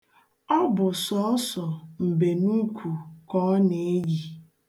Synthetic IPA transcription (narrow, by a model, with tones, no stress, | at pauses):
ɔ˦bʊ˨sɔ˨˦ɔ˦sɔ˨m̩˨be˨nu˦kʷʰu˨kɔ˨˦ne˨e˦ji˨